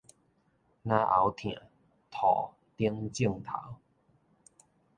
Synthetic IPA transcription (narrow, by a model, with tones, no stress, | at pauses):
nã˦ʔa˨˦wt̪ʰj̃ã̰˨ | t̪ʰɔ˨˩ | t̪i˦əŋt͡ɕi˥˩ŋt̪ʰa̰˨˦w